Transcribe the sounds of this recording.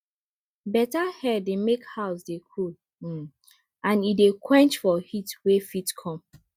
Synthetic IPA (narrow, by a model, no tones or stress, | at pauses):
bɛtahɛdemekhaʊsdekʰul̩ | ãnidekʰwɛ̃nt͡ʃfɔhitwefitkʰɔ̃m